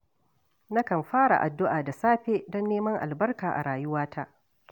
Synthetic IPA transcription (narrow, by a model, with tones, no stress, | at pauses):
na˦kɐ˨mɸaː˦ɽa̰˨ʔa˨dːʊ˦ʔaː˨da˨saː˦ɸeː˦dɔ˦nːeː˦mɐ˦ŋʔa̰˨lbɐ˦rkaː˨ʔa̰˨ɽaː˨jʊ˦waː˦ta˦ʔ